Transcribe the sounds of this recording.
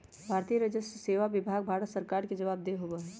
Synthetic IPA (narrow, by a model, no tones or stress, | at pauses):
bʱaːɾt̪ijəɾəd͡ʒəsseːʋaʋɪbʱaːɡ̚bʱaːɾət̪səɾkaːɾked͡ʒɐʋaːb̚d̪eɦobaɦɛː